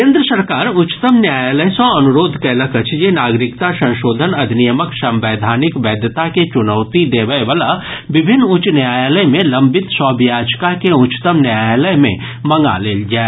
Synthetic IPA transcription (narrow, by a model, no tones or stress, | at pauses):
kẽːnd̪ɾəsɐɾkaːɾʊt͡ʃt̪əmnjaːjləsə̃ɐnʊɾoːd̪ʱkɛːləkət͡ʃʰjenaːɡɾɪkt̪asɐ̃nʃoːd̪ʱənɐd̪ʱnijəməksɐ̃mʋeːd̪ʱaːnɪkbɛːd̪ʱjət̪aket͡ʃʊnəʊt̪id̪eːʋəjʋəlabɪbʱɪnːʊt͡ʃnjaːjləjmẽlɐ̃mbɪt̪sɔːbjaːd͡ʒkakeʊt͡ʃt̪əmnjaːjləjmḛ̃ | mɐ̃ŋɡa̰leːld͡ʒaːe